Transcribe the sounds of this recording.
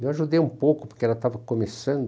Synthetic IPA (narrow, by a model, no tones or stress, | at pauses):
ewaʒud̪ejũpowkʊpoɾkeɛlɐt̪avɐkomesɐ̃nd̪